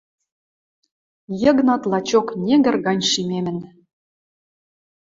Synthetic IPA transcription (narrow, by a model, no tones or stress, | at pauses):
jɤ̆ɣnɑt̪lˠɑt͡ɕoknʲeɡɘ̆rɣɑnʲʃimemɘ̆n